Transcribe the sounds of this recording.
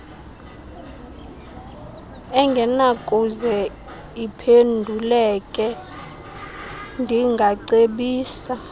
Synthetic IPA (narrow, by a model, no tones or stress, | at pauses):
ɛŋɡʱɛnakʼuzɛ | ipʰendʱulɛkʼɛ | ndʱiŋɡʱaǀeɓiːsa